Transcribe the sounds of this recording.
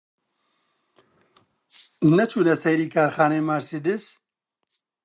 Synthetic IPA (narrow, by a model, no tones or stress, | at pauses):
nɐt͡ʃʰuːnɐsɛjɾiːkʰaːɾxaːneːmaːɾsid̪ɪs